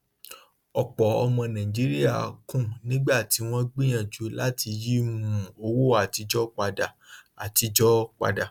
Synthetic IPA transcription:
ɔ˨k͡pɔ˨ɔ˧mɔ̃˧nã˨ĩ˨d͡ʒi˨˦ɾi˦a˦˨kũ˦˨nĩ˦ɡ͡ba˦˨ti˨˦w̃ɔ̃˦ɡ͡bĩ˦j̃ã˦˨d͡ʒu˨˧˦la˦tʰi˧ji˦mũ˨o˧wo˦a˨ti˧d͡ʒɔ˦k͡pa˧da˨a˨ti˧d͡ʒɔ˦k͡pa̰˧da˨

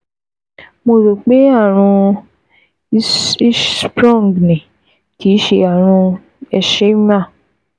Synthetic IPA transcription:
mo˧ɾo˨k͡pe˦a˦˨ɾ̃ũ˧˦ | spɾɔ̃˦˨ɡnĩ˨ | ti˨˦ʃe˧a˦˨ɾ̃ũ˧ | ɛ˧ʃe˦m˦ã˦˨

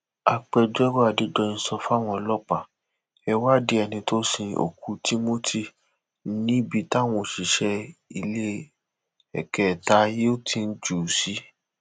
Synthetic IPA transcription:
a˧k͡pɛ˧d͡ʒɛ˦ɾɔ˦a˨de˦dɔ˧nĩ˧sɔ˧fa˦˨w̃ɔ̃˧lɔ˦k͡pa˦˨ | ɛ˧wa˦de˨˦ɛ˨nĩ˧to˦sĩ˧o̰˨ku˧˦ti˦mo˦tʰi˦ | nĩ˦bi˧ta˦˨w̃ɔ̃˧˨ʃi˨ʃɛ˧i˧le˦ | ɛ̰˨kɛ˨ta˧˦je˦o˦tʰĩ˧n̩˦d͡ʒu˨si˨˦

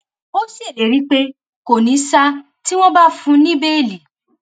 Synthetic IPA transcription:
o˦si˦e˨le˨ɾi˦k͡pe˦ | ko˨nĩ˨˦sa˧ | ti˦w̃ɔ̃˦ba˦fũ˧nĩ˦be˦e˦˨li˨

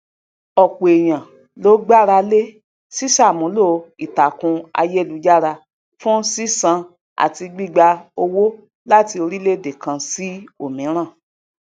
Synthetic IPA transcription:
ɔ˨k͡po˨e˨j̃ã˨ | lo˨˦ɡ͡ba˦˨ɾa˧le˦ | si˦sa˦˨mũ˨˦lo˦i˨ta˨kũ˧a̰˧je˦˨lu˨˦d͡ʒa˦˨ɾa˧ | fũ˦si˦sã˧ | a̰˦˨ti˧ɡ͡bi˦˨ɡ͡ba˧o˧wo˦ | la˦ti˧o˧ɾi˦le˦˨de˨kã˧si˦o˦˨mĩ˨˦ɾ̃ã˦˨

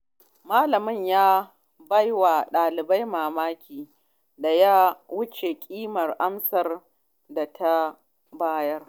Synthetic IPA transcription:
maː˦lɐ˨mɪ˦˨ɲjaː˦ | bɐ˦jwa˨ɗaː˨lɪ˨ba˦jmaː˨maː˦kʲʰiː˨ | da˨jaː˦wʊ˦t͡ʃe˨kʲʼiː˦mɐ˨rʔa˦msɐ˨r | da˨tʰa˦ | baː˦jɐ˦r

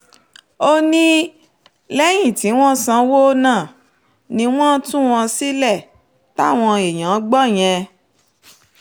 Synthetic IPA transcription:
o˦nĩ˦ | lɛ˦j̃ĩ˦˨ti˨˦w̃ɔ̃˦sã˧wo˦nãː˦˨ | nĩ˧w̃ɔ̃˦tũ˦w̃ɔ̃˧si˦lɛ˦˨ | ta˦˨w̃ɔ̃˧e˨j̃ã˨˦ɡ͡bɔ˦˨j̃ɛ̃˧

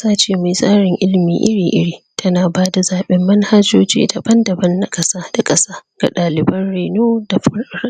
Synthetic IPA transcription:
saː˦t͡ʃeː˨ma˨sʼaː˦ɽɪ˨ŋʔɪ˦lmḭː˨ʔɪ˦ɽiː˨ʔɪ̰˦ɽiː˨tʰɐ˦naː˨baː˦da˨zaː˨ɓɛ˦mːɐ˦nha˦d͡ʒo̰ː˦d͡ʒḭː˦da˨bɐ˦ndɐ˨bɐ˦nːa˦kʼɐ˦saː˦d̥a˨kʼɐ˦saː˦ɡ̥a˨ɗaː˨lɪ˨bɐ˦nɽeː˨noː˦da˨ɸɐ˦ɾɾ

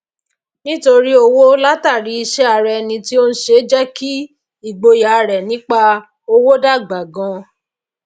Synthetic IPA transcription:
nĩ˦to˧ɾi˦o˧wo˦la˦ta˦˨ɾi˨˦i˧ʃɛ˦a˧ɾɛ˧˦nĩ˧ti˦o˦n̩˦ʃe˧˦d͡ʒɛ˦ki˦ | i˦˨ɡ͡bo˧ja˨˧ɾɛ˨nĩ˦k͡pa˦ | o˧wo˦da˦˨ɡ͡ba˨ɡɔ̃˧˦

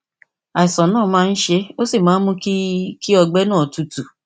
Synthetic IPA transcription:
a˨i˨sɔ̃˨nãː˦˨˦mãː˦˧n̩˦ʃe˧o˦si˦˨mãː˨˦n̩˦mũ˦kki˦ɔ˧ɡ͡bɛ˦nãː˦˨ɔ˨tu˧tu˨

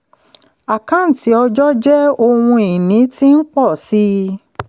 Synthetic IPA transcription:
a˨kã˨˦n̩˨ti˨˦ɔ˧d͡ʒɔ˦d͡ʒɛ˦o˦˧wũ˧i˨nĩ˨˦ti˦n̩˦k͡pɔ˦˨si˦

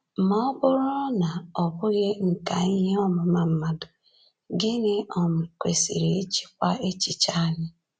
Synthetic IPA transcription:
mɔ˦ɔ˦bʊ˦ɾʊ˦na˨ɔ˨bʊ˦ɣe˦ŋ̩˨ka˨i˦ɦe˦ɔ˦mʊ˨ma˨m̩˦ma˨dʊ˨ | ɡɪ˦ne˦ʔɔ˨mʊ˨kʷe˨sḭ˨ɾe˨e˦t͡ʃi̥˦kʷa˦e˦t͡ʃi˨t͡ʃa˦lɪ˦

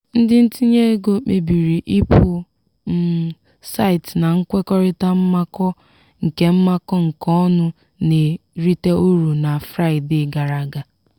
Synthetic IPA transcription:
n̩˦dɪ˦n̩˦ti˦ɲe˦ɡo˨k͡pe˨bi˨ɾi˨ʔi˦pʊ˨ | m̩˦ | sa˦ɪ˨tna˨ŋ̩˦kʷe˦kɔ˦ɾɪ˦ta˦m̩˦ma˦kɔ˦ | ŋ̩˨ke˦m̩˦ma˦kɔ˦ŋ̩˨kɔ˦nʊ˦ | ne˨ɾi˦te˦u˦ɾu˨na˨fɾa˦ɪ˨de˦˨ɡa˨ɾa˨ɡa˨

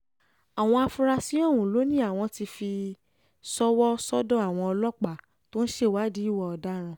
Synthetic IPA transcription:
a˨w̃ɔ̃˧a˧fu˧ɾa˧si˨˦ɔ̃˦˨ũ˨lo˨˦nĩ˦a˦˨w̃ɔ̃˧ti˧fi˧ | sɔ˦wɔ˦sɔ˦dɔ̃˦a˨w̃ɔ̃˧ɔ˧lɔ˦k͡pa˨ | to˦n̩˦ʃe˦˨wa˦di˦i˦wɔ˧ɔ˧da˦ɾ̃ã˧

